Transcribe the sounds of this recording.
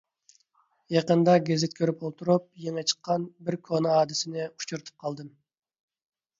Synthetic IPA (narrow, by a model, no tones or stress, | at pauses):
jɑqənd̪ɑɡʲezɪt̪̚kʲʰøɾypolˠt̪ʰuɾup̚jeŋɛt͡ʃʰə̥qːɑnbɪɾkʰonɑɑːd̪ɪsɪnɪu̥t͡ʃʰuɾt̪ʰu̥p̚qʰɑlˠd̪ɨm